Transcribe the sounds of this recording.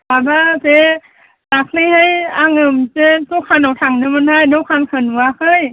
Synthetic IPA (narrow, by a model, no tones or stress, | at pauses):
babase | lak̚nɯjhajaŋɯmsesukʰanawtʰaŋnɯmɯnhajnɯwkʰankʰɯnwakʰɯj